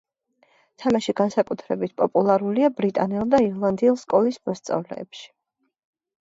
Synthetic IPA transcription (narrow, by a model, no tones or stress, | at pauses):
t̪ʰamaʃiɡansakʼut̪ʰɾɛbit̪̚ʰpʼɔpʼulˠaɾuliabɾit̪ʼanɛlˠd̪aiɾlˠand̪iulˠskʼɔlismɔst̪sʼa̰vlɛ̰ːpʃi̥